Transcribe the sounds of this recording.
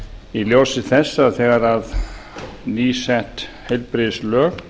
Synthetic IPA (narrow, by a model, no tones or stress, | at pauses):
iljowsɪθɛsːaθɛːɣaɾað | niːsɛht̪hejlpɾɪðslœːɣ